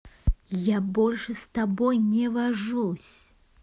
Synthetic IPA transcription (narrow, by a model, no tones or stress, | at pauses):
jabɔlʲʂɛst̪abɔjnʲɛvaʐusʲ